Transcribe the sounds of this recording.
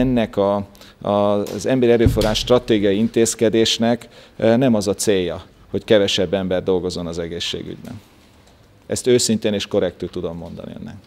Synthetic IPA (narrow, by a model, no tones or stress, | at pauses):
ɛnːɛkɒ | zɛmbɛɾiɛɾøːfo̞raːʃt̪rɒt̪eːɡijɒjiint̪eːskɛd̪eːʃnɛknɛmɒzɒt̪seːjːɒ | ho̞ckɛvɛʃɛbːɛmbɛrd̪o̞lɡo̞zo̞nɒzɛɡeːʃːḛːɡy̰ɟbɛ̰n | ɛst̪øːsint̪eːneːʃko̞ɾɛk̚t̪ut̪ud̪o̞mːo̞nd̪ɒ̰niø̰nːɛ̰